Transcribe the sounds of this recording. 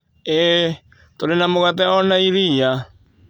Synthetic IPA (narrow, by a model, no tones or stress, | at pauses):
ɛ | t̪oɾenamoɣatɛɔnaiɾija